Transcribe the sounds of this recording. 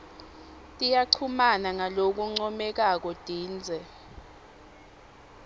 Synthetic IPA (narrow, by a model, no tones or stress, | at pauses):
tʼijaǀʰumanaŋalok̬uŋ͡ǀɔmɛk̬ak̬ɔd̥ʱiːnd͡zʱɛ